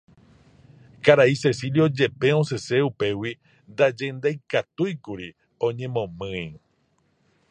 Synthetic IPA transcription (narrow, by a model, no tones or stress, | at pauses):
kaɾaise̞siljo̞d͡ʒe̞pe̞õse̞se̞upe̞wi | nd̪ad͡ʒẽ̞nd̪ajkat̪ujkuɾi | õ̞ɲẽ̞mõ̞mɨ̃i